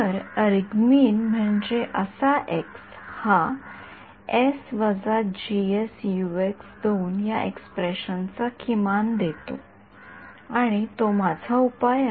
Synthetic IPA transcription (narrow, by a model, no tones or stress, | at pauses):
əɾəɾɡmiːnm̤əɳd͡ʑeʔəsaʔeks | ha | esʋəd͡zad͡ʑiesjueksd̪ʱeuːnjaʔḛkspɾeɕənt͡sakʰimand̪et̪o̰ | aɽ̃it̪omad͡zʱaupaj